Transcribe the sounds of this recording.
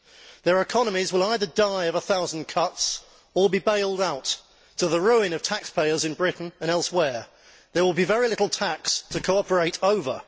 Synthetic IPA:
ðə˞ɨkʰɑnəmizwɪlˠaɪðə˞daɪʌvəθaʊz̃n̩kʰʌts | ə˞bibeɪlˠdaʊtʰ | əðəɹʉɪ̃nʌv̥tʰækspʰeɪəzɨ̃nbɹɪʔn̩ə̃ɾ̃ɛlˠswɛɹ | ðəwɪlˠbivɛɹilɪɾl̩ˠtʰækstʰəkʰoʊɑpə˞eɪɾoʊvə̰

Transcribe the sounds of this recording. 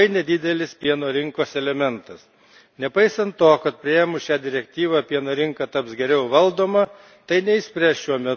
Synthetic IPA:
ɐɪnʲɛd̪ʲɪd̪ʲɛlʲɪspʲiɛnoːɾʲɪŋkoːsɛlʲɛmʲɛnt̪ɐs | nʲɛpɐɪsɐnt̪toːkɐt̪̚pʲɾʲɪjɛːmʊʃʲæːd̪ʲɪɾʲɛk̚t̪ʲiːʋɑpʲiɛnoːɾʲɪŋkɐt̪ɐpsɡʲɛɾʲɛʊʋɐlˠd̪oːmɐ | t̪ɐɪnʲɛɪsʲpʲɾʲæːsʃʲuɔmʲɛ

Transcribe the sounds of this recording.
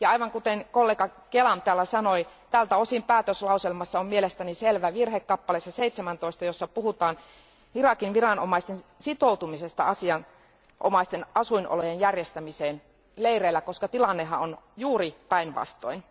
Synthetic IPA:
jɑɑiʋɑŋkut̪enkolːeːkɑkelɑmt̪æːlːæsɑnoit̪ælt̪æosimpæːt̪øslɑuselmɑsːɑommielest̪æniselʋæʋirhekːɑpːɑlesːɑseit̪semænt̪oist̪ɑjosːɑpuhut̪ɑːn | irɑkinʋirɑno̰mɑist̪ensit̪out̪umisest̪ɑɑsiɑn | ʔo̰mɑist̪enɑsuinʔo̰lojenjærjest̪æmiseːn | leireilːækoskɑt̪ilɑnːehːɑonjuːripæinʋɑ̰st̪o̰in

